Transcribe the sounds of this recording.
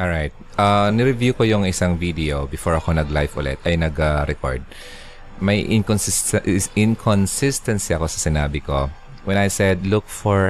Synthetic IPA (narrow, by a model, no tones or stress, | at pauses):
ʔɔɹajt̪̚ʔanɪɾɪvjukojʊŋɪsaŋvid̪ɛobɪfoɹɐko̞nɐɡlajfʔʊ̰lɛ̰t̪ʔɐjnɐɡaɾɛko̰ɹd̪̚ | mɐjʔɪ̰nkonsɪsɪnkʰɔnsɪst̪ɐnsiɐko̞sɐsɪnaːbɪko̞ | wɛ̃nɐjsɛd̪lʊk̚fɔɹ